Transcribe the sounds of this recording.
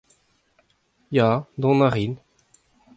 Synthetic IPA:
jad̪ɔ̃naʁin

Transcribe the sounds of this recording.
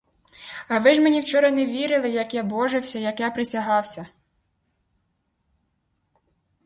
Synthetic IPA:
ɐʋɪʒmenʲiwt͡ʃɔɾɐneʋʲiɾɪlˠɪjɐkjabɔʒɪwsʲɐjɐkjapɾɪsʲɐɦɑwsʲɐ

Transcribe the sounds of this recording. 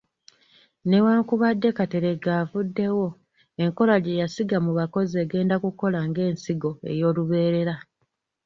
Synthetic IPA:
newaːŋkuβadːe̞kate̞ɾe̞ɡaːvudːe̞wo̞ | e̞ŋko̞laɟejasiɡamuβako̞zie̞ːɡe̞ːndakuko̞laŋɡe̞ːnsiɡo̞e̞̰jo̞ːluβe̞ːɾe̞ɾa

